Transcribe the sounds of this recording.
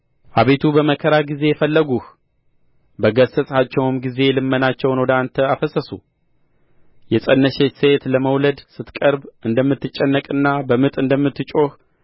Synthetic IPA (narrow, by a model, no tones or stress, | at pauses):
ʔaβe̞t̪ʰubəməkʰəɾaɡize̞jɛfəlːəɡuh | bəɡəsəsʼat͡ʃːɛwmɡize̞lɨmːənat͡ʃːɛwnwɔd̪ant̪ʰəafəsəsṵ | jɛsʼənːəʃeset̪ləməwləd̪sɨt̪kʼəɾbʔɨnd̪əmːɨt̪ːɨt͡ʃʼːɛnːəkʼɨnːabəmɨt̪ʼɨnd̪əmːɨt̪ːɨt͡ʃʼo̞h